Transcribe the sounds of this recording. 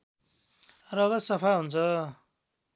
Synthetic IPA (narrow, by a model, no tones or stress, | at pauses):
rʌɡʌsʌpʰaɦunt͡sʰʌ